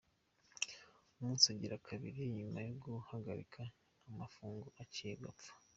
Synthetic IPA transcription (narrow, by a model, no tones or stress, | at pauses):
umuːnsiaɟiɾakʰaβḭɾiɲumajoɡuhaɡa̰ɾḭkʰaː | mafuːŋɡoʔacijeɡapp͡fḁ